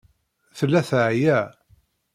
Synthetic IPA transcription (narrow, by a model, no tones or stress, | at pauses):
θəlːæθʕjæ